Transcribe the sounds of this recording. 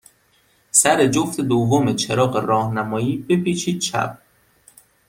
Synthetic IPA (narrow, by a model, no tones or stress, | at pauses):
sæɾe̞d͡ʒoft̪ed̪ovːomet͡ʃʰeɾɒːɢeɾɒːhnæmɒːjiːbepiːt͡ʃʰiːd̪̥̚t͡ʃʰæ̰p̚